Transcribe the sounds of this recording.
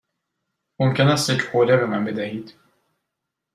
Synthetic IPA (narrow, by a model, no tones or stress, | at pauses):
momcʰenæst̪jecʰhoːlebemænbe̞d̪æhiːd̪̥